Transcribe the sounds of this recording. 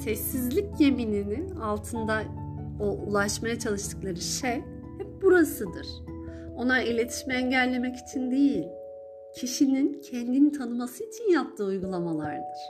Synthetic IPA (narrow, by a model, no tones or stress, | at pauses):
sɛsːizlʲicje̞mininialˠt̪ʰɯnd̪aoʔulˠaʃmajat͡ʃʰalˠɯʃt̪ʰɯ̥klˠaɾɯʃej | hɛp̚buɾasɯd̪ɯ̰ɾ̥o̞nailʲe̞t̪ʰi̥ʃmɛɛɲɟɛlʲːe̞mɛci̥t͡ʃʰind̪ejilʲ | cʰiʃinincʰɛnd̪init̪ʰanɯmasɯit͡ʃʰinjap̚t̪ʰɯːujɡulˠamalˠa̰ɾd̪ɯɾ̥